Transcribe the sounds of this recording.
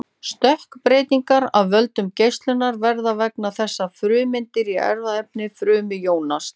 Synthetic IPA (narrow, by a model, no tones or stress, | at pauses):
st̪œhkpɾeːjt̪iŋkaɾawvœlt̪ʏmcejst̪lʏnaɾvɛɾðavɛknaθɛsːafɾʏːmɪnt̪ɪɾiʔɛ̰ɾðaɛp̚nɪfɾʏːmɪjoːwnas